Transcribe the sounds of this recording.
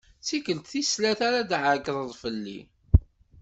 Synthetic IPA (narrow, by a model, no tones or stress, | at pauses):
t͡sːikəlt̪θislæθaɾad̪ʕəɡðˤəðˤfəlːḭ